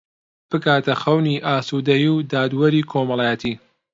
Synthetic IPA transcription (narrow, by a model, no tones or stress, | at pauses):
b̥ɨkaːt̪ɐxɐwniːʔaːsud̪ɐjiwd̪aːd̪wɐɾiːkʰoːmɐlˠaːjɛt̪ʰiː